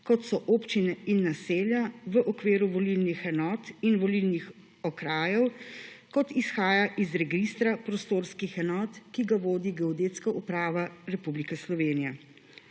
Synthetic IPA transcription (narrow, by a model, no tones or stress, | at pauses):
kɔt̪sɔʔoːpt͡ʃinɛinːaseːljaʋəʔɔkʋeːɾuʋɔlilnixɛnɔːt̪inʋɔlilnix | ɔkɾaːjɛwkɔt̪isxaːjaʔizɾɛɡist̪ɾapɾɔst̪oːɾskixɛnɔːt̪kiɡaʋoːd̪iɡɛɔd̪eːt̪skaʔupɾaːʋaɾɛpublikɛslɔʋeːnijɛ